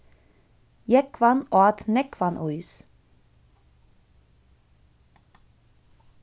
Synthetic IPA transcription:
jɛkʰʋɑnʔoːɑt̪ʰnɛkʰʋɑnʔʊʏs

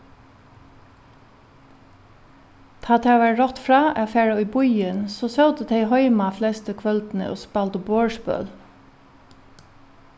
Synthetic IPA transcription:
t̪ʰɑːt̪ʰeːʋæɹɾɔt̪fɹɑːʔeːfæːɹəʏːbʊʏənsoːsɑʊd̪əd̪ʰeɪhœʏmɑflɛst̪əkʰʋœld̪n̩ə̰ʔo̰ːspɑld̪əboːɹʃpœ̰l

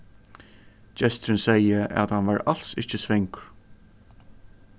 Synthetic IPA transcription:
d͡ʒɛst̪ɾɪnsɛjəʔæ̰t̪hanʋaːɹal̥sɪht͡ʃɪsvɪŋk

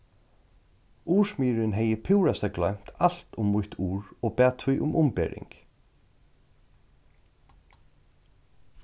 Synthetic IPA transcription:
uːʂmiːɾɪnɦɛjəpʰɪwɾast̪aɡlœɥm̥t̪al̥t̪ʊmːʊht̪ʰuːɹɔpɛːt̪ʰvʊjʔʊmʔʊmpɛ̰ːɾɪ̰ŋk

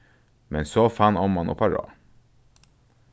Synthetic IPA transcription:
mɛnsoːfɑnɔmɑno̰ːpʰɑɾɑ̰ː

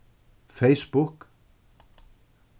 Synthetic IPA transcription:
fejspuhk

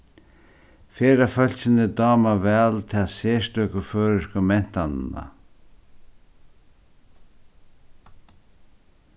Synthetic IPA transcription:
feːɾafœl̥sɪnɪd̪ɔːmavɛːlt̪ʰɪaseːst̪œkʊføːɾɪskʊmɛn̥t̪anɪna̰

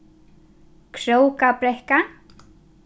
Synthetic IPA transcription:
kʰɾowkapɾɛhka

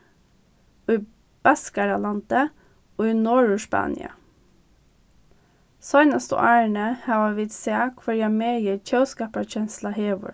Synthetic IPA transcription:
iː | b̥æskɑɾɑlɑnt̪ə | oːiːnɔɹʉʃpɑ̰ːnɪ̰ɑ̰ | sɑɪnɑst̪o̰ʔæːəɳəhɑːʋɑʋit̪seɑkʰfɑɾjæmeːjiːçœʉskɑːpɑçɛnslɑheːʋʊ̰ɹ

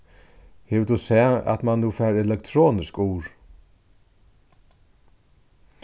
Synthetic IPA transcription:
heʋt̪useːɑ̰t̪mɑnnuːfæːɾɛlɛkt̪ʰɾoːnɪskuːɹ

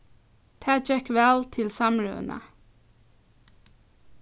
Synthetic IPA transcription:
t̪ʰæːd͡ʒɛkʋɛlt̪ʰɪlsɑmɹʉ̰nʔə̰

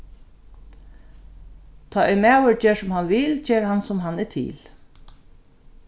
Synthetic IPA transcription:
t̪ʰaːʔɛmæːwəɹt͡ɕeːsʊmhanʋɪlt͡ɕeːɹhansʊmɦanɛt̪ʰɪ̰ːl

